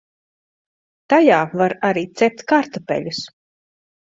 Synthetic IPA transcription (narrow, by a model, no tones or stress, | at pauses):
t̪ajaːvaɾaɾiːt̪sɛp̚t̪ʲkaɾt̪ɔpɛ̰ʎʲus